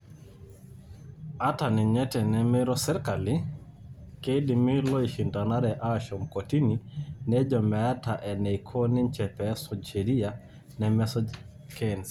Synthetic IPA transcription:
a˦ta˨ni˨ɲɛ˦tɛ˨nɛ˨mɛ˦ɾɔ˦sɛ˦ɾka˨li | kɛ˦i˦di˨mi˦lɔ˦i˨ʃi˨nda˨na˦ɾɛ˨ʔa˦˨ʃɔ˨mkɔ˨ti˦ni˨nɛ˦d͡ʒɔ˨mɛ˨a˦ta˨ʔɛ˨nɛ˨ikʰɔ˦ni˦n˦t͡ʃɛ˨pɛ˨˦sɔ˨ʃɛ˨ɾi˦a˨ | nɛ˨mɛ˦sɔ˦ | kɛ˦˨ns

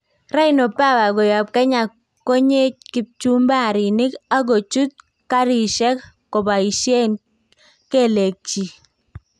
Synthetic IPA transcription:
ra˦ɪ˨no˨pa˦˨wa˨ɡɔ˨ja˨p̚kɛ˦ɲa˨ | kːo˦ɲe˦t̚kɪ˨p̚t͡ʃu˦mba˦˨ɾɪ˨nɪ˦ka˦ɡo˨t͡ʃu˦t̪̚ | ka˦ɾi˨ʃɛ˦kː | ɔ˨ba˨i˨ʃje˦n | ke˦le˨k̚t͡ʃi˨

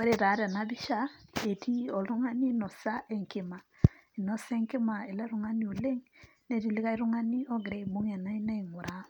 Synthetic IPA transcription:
e˦ɾe˦˨ɾa˨˦ɾa˨na˦βi˦ʃa˦e˨tʰi˦o˨lu˦ŋa˦ni˦nɔ˨sa˦ʔe˦ŋki˨ma˨i˨nɔ˦se˦ŋki˦ma˨e˨la˦ɾu˦ŋa˦ni˦o˨le˦ŋ | ne˦˨ɾi˨li˦ɣa˦i˦ɾu˦ŋa˦ni˦o˦ɡe˨ɾe˦i˨mo˦ŋa˨na˦i˦na˦i˨ŋu˨ɾa˦

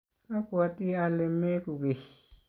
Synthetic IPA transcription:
a˦kwa˨t̪i˦a˧le˧me˦ku˨ke˨

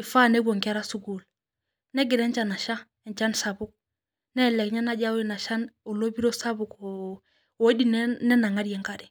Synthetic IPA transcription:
i˨fa˦ne˦ɡo˨ŋke˦ɾa˦su˦ɡu˨l | nɛ˦ɡɪ˨ɾɛ˦nt͡ʃa˨na˨ʃa˦ | e˨ɲt͡ʃa˦nsa˨bu˦k̚ | nɛ˦˨lɛ˨kɲa˦na˦ɟa˦wi˦na˨ʃa˦no˨lo˦bi˦ɾo˦sa˦bu˨ko˨ | o˦di˦nnɛ˦na˨ŋa˦ɾije˨ŋka˦ɾi˨

